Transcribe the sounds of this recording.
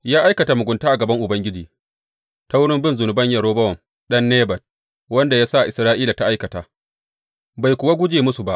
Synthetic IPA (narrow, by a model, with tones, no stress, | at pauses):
jaː˦ʔa˦jkɐ˨ta˨mʊ˨ɡʷʊ˨ntaː˦ʔa˨ɡɐ˨bɐ˦ŋʔʊ˨bɐ˦ŋɡʲɪ˦d͡ʒiː˨ | ta˦wʊ˦ɽɪ˦mbɪ˦nzʊ˨nʊ˨bɐ˦ɲjɐ˨ɽoː˦bɐ˦wɔ˨m | ɗɐ˦nːeː˦bɐ˨t̚ | wɐ˦nda˨jaː˦sa˦ʔʔɪ˨sɾaː˦ʔiː˦la˨ta˦ʔa˦jkɐ˨taː˨ | ba˨jkʷʊ˨wa˦ɡʷʊ˦d͡ʒeː˨mʊ˦su˨ba˦ʔ